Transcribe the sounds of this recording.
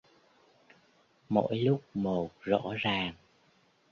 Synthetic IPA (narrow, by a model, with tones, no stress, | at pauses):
mo̰˧˥jlʊ˦˥k͡p̚mo˨˩k̚zɔ̰˧˥zaː˨˩ŋ